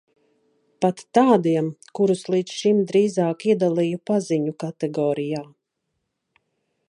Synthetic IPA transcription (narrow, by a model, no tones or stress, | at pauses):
pat̪ːaːd̪iɛmkuɾuslˠiːd̪sʃimd̪ɾiːzaːkiɛd̪alˠijupaziɲukat̪ɛɡɔːɾijaː